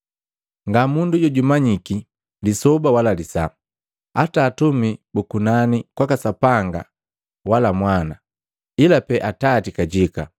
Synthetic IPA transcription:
ŋɡamunduɟɔɟumaɲiki | lisɔbawalalisa | ataːtumibukunanikwakasapaŋɡa̰ | walamwana | ilapɛʔatatikaɟika

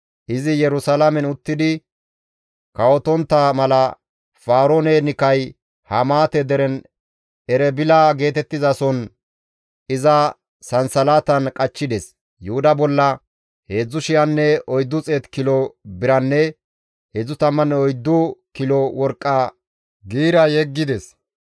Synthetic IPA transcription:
ʔɪzɪjɛɾʊsɐlamɛnʊt̪ːɪd̪ɪ | kɐwɔt̪ɔnt̪ːɐmɐlɐ | faːɾoːnɛnɪkɐj | hɐmaːt̪ɛd̪ɛɾɛn | ɛɾɛbɪlaːɡe̞ːt̪ɛt̪ːɪzɐsɔn | ɪzɐ | sɐnsɐlaːt̪ɐnkʼɐt͡ʃːɪd̪ɛs | jʊhʊd̪ɐbɔlːɐ | he̞ːd͡zːʊʃɪjɐnːɛɔjd̪ːʊt͡sʼeːt̪kɪlɔbɪɾɐnːɛ | heːd͡zːʊt̪ɐmːɐnɔjd̪ːʊkɪlɔwɔɾkʼːɐ | ɡiːɾɐjɛɡːɪd̪ɛs

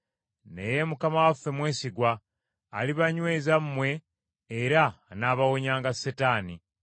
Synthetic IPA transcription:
ne̞je̞mukamawafːe̞mwe̞ːsiɡwaː | liβaɲwe̞ːzammːwe̞ː | ɾanaːβawo̞ɲaːŋɡasːetaːni

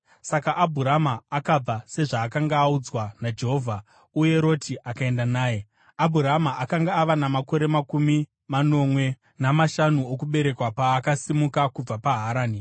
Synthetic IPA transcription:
sakaʔabʱuɾamaːkab͡vase̞ʐaːkaŋɡaːud͡zwanad͡ʒe̞ɦo̞ːvʱa | uje̞ɾo̞tʰiʔakae̞ndanaːje̞ | abʱuɾamaʔakaŋɡaːʋanamako̞ɾe̞makumi | mano̞mwe̞ | namaʃanuokuɓe̞ɾe̞kwapaːkasimukakub͡vapaɦaɾaːni

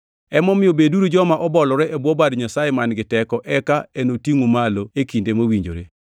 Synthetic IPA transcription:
ɛmɔmɪjobeduɾud͡ʒɔmaʔɔbɔlɔɾɛʔebwɔbadɲasajemanɡɪtɛkɔʔɛkaenotiŋumaloekindemowiɲd͡ʒo̰ɾḛ

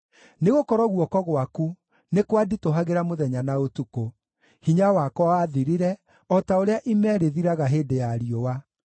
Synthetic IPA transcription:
neɣokɔɾɔɣwɔkɔɣwaku | nekwaditoɦaɣeɾamoðɛɲanaotuko | hiɲawakɔwaðiɾiɾɛ | ɔtaoɾeaʔimɛːɾeðiɾaɣaɦeːdejaɾiowa

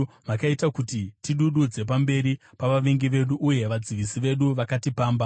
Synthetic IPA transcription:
makaitakutitiɗuɗud͡ze̞p̬ambe̞ɾi | paʋaʋeŋɡiʋe̞ɗuʔːje̞ʋad͡ziʋisiʋe̞ɗuʋakatipaːmba

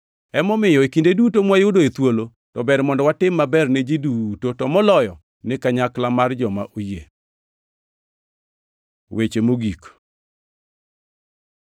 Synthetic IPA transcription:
ɛmɔmɪjɔekindedutomwajʊdoet̪wolo | tɔbɛɾmɔndɔwatɪmːabɛrned͡ʒidutotɔmɔlɔjɔ | nɪkaɲaklamard͡ʒɔmaʔoje | wet͡ʃemoɡik

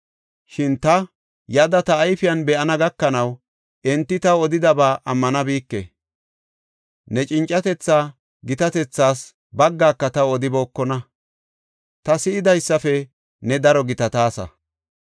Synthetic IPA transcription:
ʃɪnt̪ɐ | jɐd̪ɐt̪ɐːjfɪjɐnbɛʔɐnɐɡɐkːɐnɐw | ʔɛnt̪ːɪt̪ɐwɔd̪ɪd̪ɐbaːʔɐmːɐnɐbiːkːḛ | nɛt͡ʃʼɪnt͡ʃʼːɐt̪ɛt͡sːaː | ɡɪt̪ɐt̪ɛt͡sːaːs | bɐɡːaːkːɐt̪ɐwɔd̪ɪbo̞ːkːɔnɐ | t̪ɐsɪʔɪd̪ɐjsːɐfɛ | nɛd̪ɐɾɔɡɪt̪ɐt̪aːsɐ̰

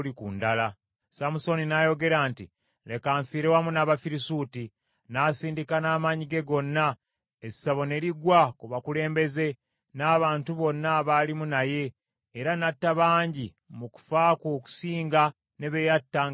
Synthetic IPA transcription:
likundala | samuso̞ninajo̞ɡe̞ɾaːnti | le̞kaːɱfiːɾewamunaβafiɾisuti | nasiːndikanaːmaɲiɡe̞ɡo̞nːa | ezi̥saβo̞ne̞ɾiɡwakuβakule̞ːmbe̞ze̞ | naːβaːntuβo̞nːaβaːlimunaje̞ː | ɾanatːaβaːɲɟi | muku̥faːkoːku̥siːŋɡa | ne̞βejatːa

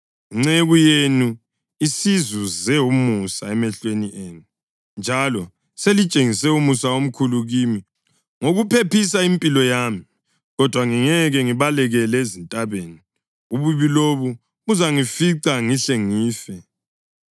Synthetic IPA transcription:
iŋ͡ǀeɣujenu | isizuzɛumusaɛmɛɬweniʔeːnu | nd͡ʒʱalɔ | selit͡ʃʼeŋisɛumusaom̩kʰuluɣimi | ŋoɣupʰepis̬aimpʼilɔjami | ɣɔd̥ʱwaŋiŋɛɣɛŋiβalɛɣɛlɛezintʼaβeːni | uβuβiloβu | uzaŋifiǀaŋiɬeŋiːfɛ

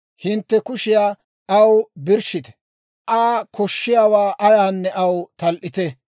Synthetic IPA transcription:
hɪnt̪ːɛkʊʃɪjaː | ɐwbɪɾʃɪt̪ɛ̥ | ʔaːkʰɔʃːɪjaːwaːʔɐjaːnːɛʔɐwt̪ɐlʔɪt̪ɛ

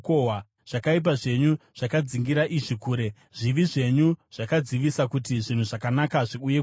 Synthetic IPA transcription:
kowa | ʐ̥akaip̬aʐe̞ɲuʐ̥akad͡ziŋɡiɾaʔiʐikuːɾe̞ | ʐiʋiʐe̞ɲuʐ̥akad͡ziʋisakutiʐin̤uʐakanakaʐiuje̞

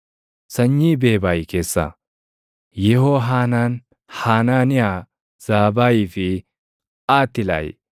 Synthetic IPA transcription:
sɐɲːiːbe̞ːbaːjɪke̞ːsːa̰ | jɛhoːɦaːnaːn | haːnaːnɪjaː | z̥aːbaːjiːfɪ | ʔaːt̪ːɪla̰ːjɪ̰

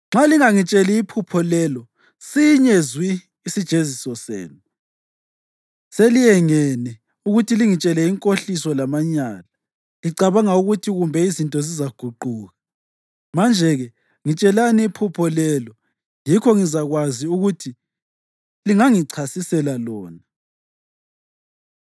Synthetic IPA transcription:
ŋ͡ǁaliŋaŋit͡ʃʼɛliːpʰupʰɔlɛlɔ | siɲezwiː | sid̥ʒ̥ʱezisɔsḛːnu | selijɛŋɛnɛ | uɣutʰiliŋit͡ʃʼɛlɛiŋkʼoɬisɔlamaɲaːla | liǀaβaŋauɣutʰiɣumbʱɛizintʼɔzizaɡ̥ʱuǃuːɣa | mand͡ʒʱɛɣɛ | ŋit͡ʃʼɛlaniːpʰupʰɔlɛlɔ | jikʰɔŋizaɣwaziuɣutʰi | liŋaŋiǀʰasisɛlalɔːna

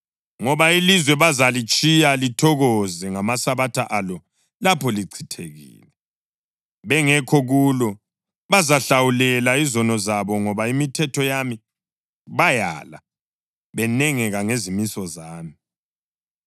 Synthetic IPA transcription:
ŋɔβailizwɛβazalit͡ʃʼijalitʰɔɣɔzɛŋamasaβatʰaʔalɔ | lapʰɔliǀʰitʰeɣḭːlɛ | βɛŋɛkʰɔɣulɔ | βazaɬawulɛlaizɔnɔzaβɔŋɔβaimitʰɛtʰɔjami | βaja̰la | βɛnɛŋɛɣaŋezimisɔzaːmi

